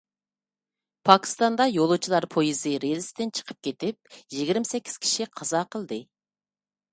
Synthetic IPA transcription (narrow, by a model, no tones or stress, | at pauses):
pʰɑkʲi̥st̪ɑnd̪ɑjolˠut͡ʃʰilˠɑɾpʰojizɨɾezɪsd̪ɪnt͡ʃʰə̥qʰəp̚kʲet̪ɪp̚jiɡʲiɾmɪsɛkʲʰːi̥z̥kʲʰi̥ʃiqʰɑzɑqʰəlˠd̪ɨ